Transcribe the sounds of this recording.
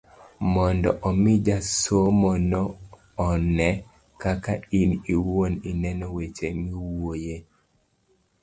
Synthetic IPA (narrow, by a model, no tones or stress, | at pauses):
mɔndɔ̰ʔɔmɪd͡ʒasomɔnɔː | nɛ | kakainiwoninɛnɔwet͡ʃemiwoje